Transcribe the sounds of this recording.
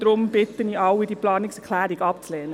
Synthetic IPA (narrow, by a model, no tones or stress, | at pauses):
d̥ɾʊmb̥ɪt̪ːəniʔɑwidiplɑːnɪksɛʁkʰlæːɾiɡɑpt͡slɛːnə